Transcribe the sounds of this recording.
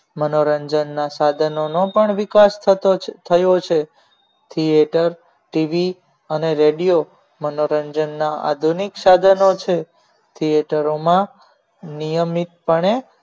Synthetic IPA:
mənoɾəɲd͡ʒənːasad̪ʱənonopəɳʋikast̪ʰət̪ʰəjot͡ʃʰe | t̪ʰieʈəɾ | ʈiʋi | əneɾeɽijo | mənoɾəɲd͡ʒənːaa̰d̪ʱuniksad̪ʱənot͡ʃʰe | t̪ʰijeʈəɾomã | nijəmit̪̚pəɳe

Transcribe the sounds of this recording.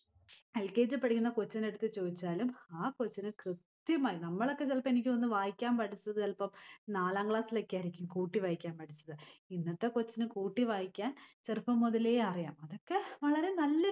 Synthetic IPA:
elke̞ːd͡ʑɨpːɐɽikʲːunːɐkot͡ɕːɐne̞ɽut̪ːɨt͡ɕo̞ːðit͡ɕːaːlumaːkot͡ɕːɐnɨkrɨt̪jɐmaːjinɐmːɐɭokːet͡ɕɐlpːɐmenik̬ʲːɨonːɨʋaːjikʲːaːmpɐɽit͡ɕːɐðɨɐlpɐmnaːlaːŋɡɭaːsilekʲːaːiɾikʲːumkuːʈːiʋaːjikʲːaːnpɐɽit͡ɕːɐðɨinːɐt̪ːe̞kot͡ɕːɐnɨkuːʈːiʋaːjikʲːaːnt͡ɕerɨpːɐmːuðɐleːɐrijaːmɐðo̞kːe̞ʋɐɭɐɾe̞nɐlːɐ

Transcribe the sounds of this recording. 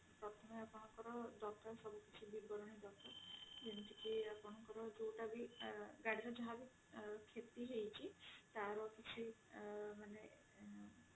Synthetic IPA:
pɾɔt̪ʰɔmeapɔɽ̃ɔŋkɔɾɔɖɔt̪ɔɾsɔbukit͡ʃʰibibɔɾɔɽ̃id̪ɔt̪ɔd͡ʒɔnt̪ikiapɔɽ̃ɔkɔɾɔd͡ʒowʈabiɡaɽiɾɔd͡ʒɔɦabi | kʰet̪iɦejt͡ʃʰit̪aɾɔkit͡ʃʰi | mane

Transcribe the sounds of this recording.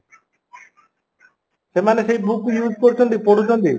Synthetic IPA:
semanesejbʱukujud͡ʒkoɾit͡ʃʰɔnt̪ipoɽut͡ʃʰɔnt̪i

